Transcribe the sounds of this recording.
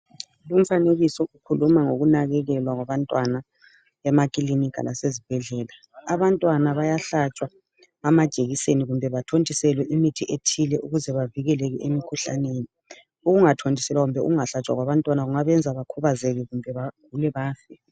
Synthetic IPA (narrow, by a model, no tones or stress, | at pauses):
lum̩faneɣisɔʔukʰulumaŋoɣunaɣɛɣɛlwaɣwaβantʼwana | ɛmakʼilinikʰʼa̰lʔa̰sezib̥ʱɛɮɛːla | aβantʼwanaβajaɬat͡ʃʼwa | amad̥ʒ̥ʱeɣiseniɣumbʱɛβatʰondʱisɛlwɛʔimitʰiʔetʰilɛʔuɣuzɛβaviɣɛlɛɣɛʔemikʰuɬa̰neːni | uɣuŋatʰondʱisɛlwaɣumbʱɛʔṵɣuŋaɬat͡ʃʼwa̰ɣwaβantʼwanaɣuŋaβɛnd͡zʱaβakʰuβazɛɣɛɣumbʱɛβaɡ̥̚ʱulɛβaːfɛ